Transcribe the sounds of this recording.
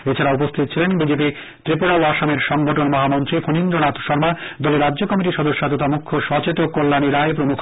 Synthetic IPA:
et͡ɕʰaɾaupost̪ʰit̪ot͡ɕʰilenbid͡ʑepi | t̪ɾipuɽaaʃameɾʃɔŋɡoʈonmɔɦamɔnt̪ɾifʰonind̪ɾonat̪ʃɔɾmad̪ɔleɾadːʑokɔmiʈiʃɔd̪oʃːat̪̬ot̪amukʰːoʃɔt͡ɕet̪okːolːaniɾaep̬ɾomukʰ

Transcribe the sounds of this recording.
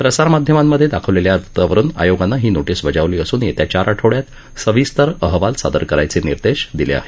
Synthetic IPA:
pɾəsaɾmad̪ʱjəmamːəd̪ʱːjed̪akʰəʋleljaəɾt̪ʰə̥t̪aʋəɾuːna̰joɡanːaɦiːnoʈisʋəd͡zaʋliːəsuːnjet̪jat͡ɕaɾʔaʈʰoɭjat̪ | səʋiːst̪əɾəɦʋalsa̰d̪əɾkəɾajt͡seniɾd̪eɕd̪ilḛa̰ɦe̥

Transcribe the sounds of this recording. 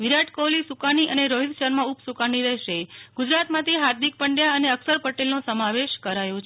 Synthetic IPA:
ʋiɾaʈkolisukaniʔəneɾoɦid̪ʃəɾmãupsukaniɾɛɦʃeɡ̥ʊd͡ʒɾat̪mãt̪ʰiɦaɾd̪ik̚pəɳɖjaəneəksəɾpəʈelnõsəmaʋeʃkəɾajõt͡ʃʰ

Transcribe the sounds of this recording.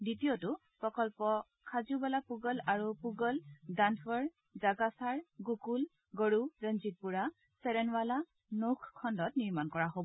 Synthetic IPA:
ditijotuʊ | pɹɔkɔlpɔ | kʰazubalapuɡɔlaɹupuɡɔldanfɔɹ | zaɡasaɹɡokul | ɡɔɹuɹənzit̚puɹa | sɛɹɛnwala | nokʰkʰːɔndɔtniɹmankɔɹaɦobɔ

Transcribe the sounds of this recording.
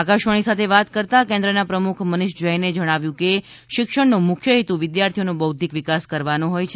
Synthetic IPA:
akaʃʋəɳ̃isat̪ʰeʋat̪kəɾt̪akẽnd̪ɾənapɾəmukʰmənɪʃd͡ʒəjned͡ʒəɽ̃aʋjũke | ʃɪkʃəɳnomʊkʰjəɦit̪uʋɪd̪jaɾt̪ʰijonõbəwd̪ʱikʋɪkaskəɾʋanoɦojt͡ʃʰ

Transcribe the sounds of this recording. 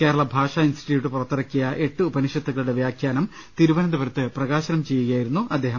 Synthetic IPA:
keːɾɐɭɐbʱaːʂaːinsʈʰiʈjiːʋʈːɨpurɐt̪ːɐɾɐkːijɐʔe̞ʈːɨubɐniʂjɐt̪ːuɣɐɭuɽe̞ʋjaːkʰjaːnɐm | t̪iɾuʋɐnɐnd̪ɐpɐɾɐt̪ːɨprɐɣaːɕɐnɐmt͡ɕe̞jːuɣɐjaːjiɾunːuʔɐd̪ːe̞ːɦɐm

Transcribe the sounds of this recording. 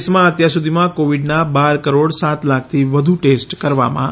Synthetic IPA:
smãət̪jaɾsud̪ʱimãkoʋiɖnabaɾkəɾoɽsat̪lak̚ʰt̪ʰiʋəd̪ʱuʈesʈkəɾʋa̰mã̰

